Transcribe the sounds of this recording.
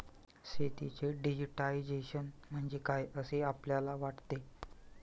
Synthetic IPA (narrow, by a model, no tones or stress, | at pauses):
set̪it͡seɖid͡ʑəʈaid͡ʑeɕənm̤əɳd͡zekajəseapljalaʋaʈt̪e